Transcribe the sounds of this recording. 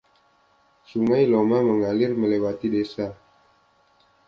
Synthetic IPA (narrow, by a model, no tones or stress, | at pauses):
suŋajlomaməŋalɪrməlewat̪idesa